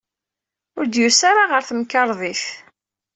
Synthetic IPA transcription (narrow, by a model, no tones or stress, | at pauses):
ʊɾd̪jusaɾaʁəɾθəmkːɑɾˤðˤiθ